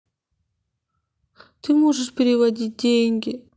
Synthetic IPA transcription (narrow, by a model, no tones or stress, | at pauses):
t̪ɨmoʐɨʂpʲɪɾʲɪvɐdʲit̚ʲdʲeŋʲɡʲɪ